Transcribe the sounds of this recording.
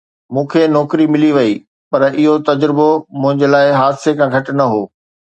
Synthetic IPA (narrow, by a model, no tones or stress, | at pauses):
mũːkʰenɔːkɾimɪliʋɐi | pɐɾɪɦot̪ɐd͡ʑɾɪbomʊ̃ɦɪ̃ɲd͡ʑelaːɪɦaːd̪sekʰãːɡʱɐʈnɐɦoː